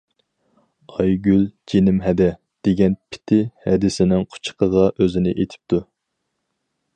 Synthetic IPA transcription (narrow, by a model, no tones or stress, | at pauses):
ɑjɡʲyld͡ʒenɪmɦɛd̪ɛ | d̪̥eɡʲɛnpʰɪ̥t̪ʰɪhɛd̪ɪsɪnɪŋqʰʊ̥t͡ʃʰə̥qʰəʁɑʔøzɪnɪʔet̪ʰɪ̥p̚t̪ʰu